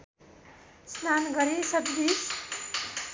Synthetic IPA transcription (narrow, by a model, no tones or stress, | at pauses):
snanɡʌɾisʌd̪d̪is